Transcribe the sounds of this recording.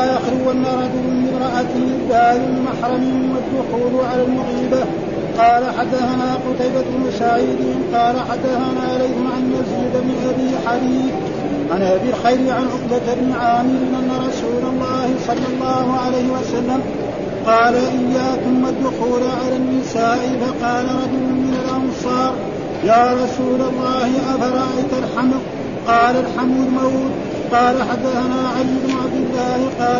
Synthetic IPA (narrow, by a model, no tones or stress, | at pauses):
ʔaxɾɪanːaɾˤɑd͡ʒʊlmɪmɾˤɑʔat̪ɪbaːlɪlmaħɾˤɑmɪnwad̪ːʊxuːlʕalalmʊʕiːba | qɑːlaħad̪ːaθanaːqʊt̪ajbamʊsaʕiːd̪ɪqɑːlaħad̪ːaθanaːʕalajhɪmʕanːaziːd̪ammɪnʔabiːħad̪iːθ | ʕanʔabɪlxajɾɪʕanʕʊqbat̪abnɪʕaːmɪɾɪʔanːaɾˤɑsuːlɑlˤːɑːhɪsˤɑlːɑlˤːɑːhʊʕalejhɪwasalːam | qɑːlaʔɪjːaːkʊmːad̪ːʊxuːlaʕalanːɪsaːʔɪfaqɑːlaɾˤɑd͡ʒʊlʊnmɪnalʔɑnsˤɑːɾˤ | jaːɾˤɑsuːlɑlˤːɑːhɪʔafaɾˤɑʔajt̪alħama | qɑːlalħamud̪mawd̪ | qɑːlaħad̪ːaθanaːʕalijɪbnʊʕabd̪ɪlːaːhɪqɑː